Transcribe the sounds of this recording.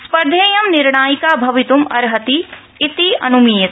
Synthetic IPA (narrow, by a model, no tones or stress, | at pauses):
spɐɾd̪ʱeːjɐmnɪɾɳ̃aːjikabʱɐʋɪt̪umɐɾɦɐt̪iː | t̪iʔɐ̰nʊmiːjə